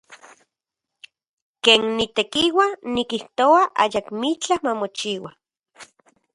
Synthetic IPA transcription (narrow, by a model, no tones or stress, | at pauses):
keːnːit̪ekiwanikiht̪oaʔa̰jakmit͡ɬahmamot͡ʃiwa